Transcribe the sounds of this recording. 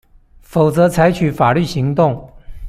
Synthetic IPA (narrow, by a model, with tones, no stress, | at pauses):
fo˨˩ʊt͡sɤ˧˥t͡sʰa˧˥ɪt͡ɕʰy˨˩fa˨˩ly˥˩ɕi˧˥ŋt̪ʊ˥˩ŋ